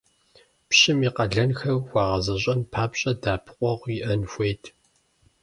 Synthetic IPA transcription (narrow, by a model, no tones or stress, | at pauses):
pɕɪmiːqɐɮɐnxɐrwʷɑːʁɐzɐɕʼɐmpʰaːpɕʼɐdaːpʰqʷʼɔʁʷiʔɐnxʷejtʰ